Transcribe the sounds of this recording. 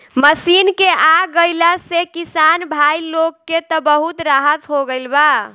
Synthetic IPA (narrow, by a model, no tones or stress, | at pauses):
məsinkeʔaɡəjləsekisanbʱajlokːet̪ɔbəɦut̪ɾaɦət̪ɦoɡəlba